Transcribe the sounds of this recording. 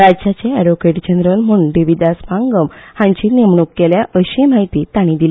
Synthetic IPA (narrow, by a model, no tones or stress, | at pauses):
ɾad͡ʑd͡ʑat͡ɕeɛɽokeʈd͡ʑənɾəlm̤əũnɖiʋid̪aspãŋɡəmhãɲt͡ɕiːnemɳukːeljaʔəɕimaɦit̪iːt̪aɽ̃ĩd̪il